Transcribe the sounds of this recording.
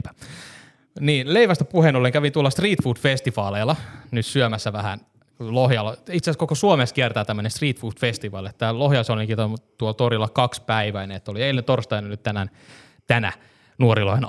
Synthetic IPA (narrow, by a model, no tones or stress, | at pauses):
niːnleiʋæst̪æpuhenolːeŋkæʋint̪uolːˑɑst̪riːt̪fuːt̪fest̪iʋɑːleːlːˑɑnyt̪syømæsːæʋæhæ̰n | lohjɑlːɑit̪seskokosuomeskiært̪æːt̪æmːønenst̪riːt̪fuːt̪fest̪iʋɑːlet̪ːælohjɑlsoliŋkit̪ot̪uolt̪orilːɑkɑkspæiʋæineet̪ːolieilːent̪orst̪ɑjnɑnyt̪t̪ænæn | t̪ænæ̰ | nuoɾiloin